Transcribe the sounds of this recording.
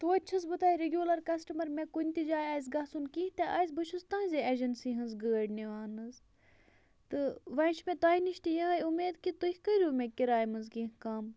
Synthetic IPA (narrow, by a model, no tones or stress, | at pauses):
t̪uɐt͡ʃʰɐzbɨt̪aːiɾeɡʲjuːlɐɾkɐsʈɐmɐɾmẽkunʲt̪id͡ʒaːjaːz̬ɡɐsunkĩht̪eʔaːjzbɐʃʰust̪ãːnzʲeeːd͡ʒɐnsiːɦɐnzɡəːɽniʋaːnɨz | t̪ɨʋɐnʃʰmẽt̪aːiniʃt̪ijɐɦɐːjumeːd̪kit̪uhʲikəɾʲuːmẽkiɾaːjmɐnzkĩɦkaːm